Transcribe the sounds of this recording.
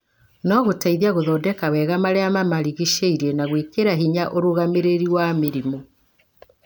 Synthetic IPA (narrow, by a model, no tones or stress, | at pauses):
nɔɣotaiðiaɣoðɔːdɛkawɛɣamaɾeamamaɾiɣiʃeiɾiɛnaɣwekeɾaɦiɲaʔoɾoɣameɾeɾiwameɾimo